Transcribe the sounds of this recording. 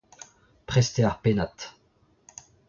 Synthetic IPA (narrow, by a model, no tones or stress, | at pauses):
pχɛst̪eaʁpenat̪